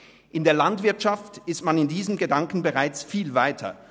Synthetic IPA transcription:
ʔɪndeːɐlantv̥ɪɐtʃaftɪstmanɪndiːzəmɡədaŋkn̩bəʁaɪt͡sfiːlvaɪtʰɐ̰

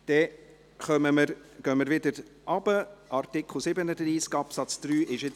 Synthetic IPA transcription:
d̥ɛ | χœməməɾɡ̥œməɾvʋɪdəɾʔɑb̥əʔɑɾt̪ɪkχl̩ˠsɪbənəd̪riːskɑpsɑt͡sd̪̥ɾyːʔɪʃjɪ

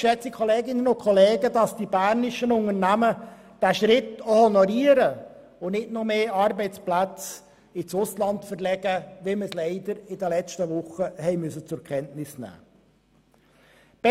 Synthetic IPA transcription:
ʃɛt͡sikʰɔleːɡɪnːənʊkʰɔleːɡədɑsd̥ibæɾnɪʃənʊŋəɾnæmə | d̥æʃɾɪtohɔnɔɾiːəɾə | ʊnɪtnumeːɑɾbɛɪt͡splæt͡s | ɪt͡sʊslɑntfəɾlɛɡ̥əʋɪməslɛɪd̪əɾɪdəlɛt͡ʃtəʋʊχəhɛɪmʏsət͡sʊɾkʰɛntnɪsnæ̰ː | b̥ɛ

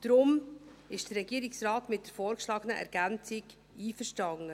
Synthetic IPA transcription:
d̥ɾʊmɪʃd̥ərːɛɡiəɾɪksrɑːtmɪt̚d̥əɾfɔːɾkʃlɑːɡənəʔɛ̰ɾɡ̥ænt͡sɪɡ | iːfəɾʃtɑŋːə

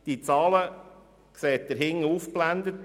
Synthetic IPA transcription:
d̥it͡sɑːlə | kseːt̚d̥̪əɾɦɪŋəufplænd̪ət

